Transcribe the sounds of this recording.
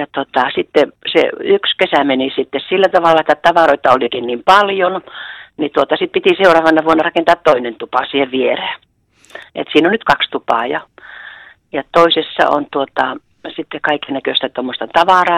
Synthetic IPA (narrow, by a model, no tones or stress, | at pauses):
jɑt̪ot̪ɑsit̪ːesḛykskesæmenisit̪ːessilːæt̪ɑʋɑlːɑet̪ːæt̪ɑʋɑroit̪ːɑolikinnimpɑljonnit̪uot̪ɑsit̪̚pit̪iseurɑːʋɑnɑʋuonːɑrɑkent̪ɑːt̪t̪oinent̪upɑsiːheʋʋiereːˑ | ḛt̪siːnonyt̪kɑkst̪upɑ̰ːˑjɑ̰ | jɑt̪oisesːɑ̰o̰nt̪uot̪ɑ | sit̪ːekɑiknækøst̪æt̪omːost̪ɑt̪ɑʋɑˑrɑː